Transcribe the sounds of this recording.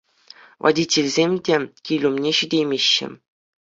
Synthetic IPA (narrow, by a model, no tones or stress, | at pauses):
vɑ̰dʲitʲelʲzʲemʲdʲekʲilʲumnʲeɕydʲejmʲeɕːɘ̰̆